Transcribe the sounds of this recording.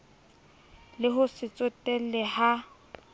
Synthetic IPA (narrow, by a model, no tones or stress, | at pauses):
lɪɦʊsɪt͡sʼʊtʼɛl̩lɛha